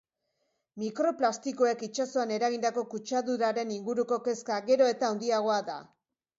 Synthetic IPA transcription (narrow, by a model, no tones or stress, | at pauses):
mikɾo̞plast̪iko̞e̞kit͡ʃaso̞ane̞ɾaɣind̪ako̞kut͡ʃaðuɾaɾe̞niŋɡuɾuko̞ke̞skaɣe̞ɾo̞e̞t̪aːwnd̪iaɣ̞o̞aða̰